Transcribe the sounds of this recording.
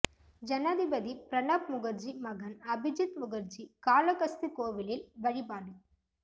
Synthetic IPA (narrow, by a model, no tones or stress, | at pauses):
d͡ʒɐnaːðɪbɐðipɾɐnaːpmʊɣɐɾd͡ʒimɐɣɐnɐbɪd͡ʒɪt̪mʊɣɐɾd͡ʒikaːlɐkɐst̪ɯkoːʋɪlɪlʋɐɻɪbaːɽɯ